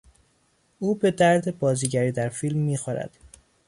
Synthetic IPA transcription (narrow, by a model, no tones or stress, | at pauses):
ʔuːbe̞d̪æɾd̪e̞bɒːziːɟæɾiːd̪æɾfilmːiːxoɾæ̰d̪̥